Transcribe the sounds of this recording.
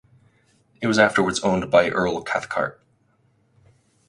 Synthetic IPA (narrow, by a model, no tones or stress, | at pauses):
ɨt̚wʌzæftə˞wə˞dzõʊ̃nbaɪʔɜ˞lˠkʰæ̰θkʰɑ̰ɹt̚